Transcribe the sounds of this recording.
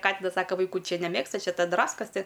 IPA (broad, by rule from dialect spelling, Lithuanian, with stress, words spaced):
ˈkɑːtʲɪnɐs ˈsɑːkɐ ʋɐɪˈkuː ˈt͡ʃʲɛ nʲɛˈmʲeːkstɐ ˈt͡ʃʲɛ ˈtɐ ˈdrɑːskɐs tʲɪ